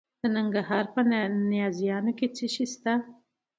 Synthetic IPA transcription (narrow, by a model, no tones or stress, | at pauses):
ənaŋɡaɦɑɾpənɪjɑzjɑnoket͡siʃist̪a